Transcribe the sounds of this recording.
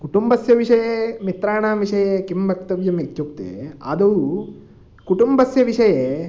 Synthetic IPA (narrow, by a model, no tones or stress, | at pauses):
kuʈumbɐsjɐʋiʂɐjemit̪ɾaːɳaːmʋiʂɐjekimbɐkt̪ːɐʋjɐmikt͡ʃukt̪ḛɐ̰d̪ɐwu | kuʈumbɐsjɐʋiʂɐje